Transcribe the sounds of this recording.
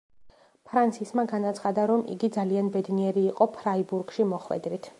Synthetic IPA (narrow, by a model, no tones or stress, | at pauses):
pʰɾant̪sʰismaɡanat̪sʰχad̪aɾɔmʔḭɡid̪zalianbɛd̪niɛɾiːqʼɔpʰɾaibuɾɡʃimɔχwɛ̰d̪ɾit̪ʰ